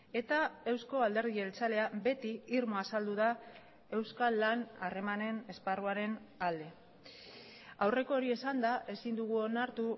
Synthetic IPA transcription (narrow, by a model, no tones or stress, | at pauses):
e̞t̪ae̞wsko̞ald̪e̞ɾð̞ielt͡sale̞abe̞t̪iːɾmo̞asald̪uð̞a | e̞wskalːanare̞mane̞ne̞sparuaɾe̞nald̪e̞ | awre̞ko̞ːɾie̞sand̪aʔe̞sind̪uɣ̞uo̞naɾt̪u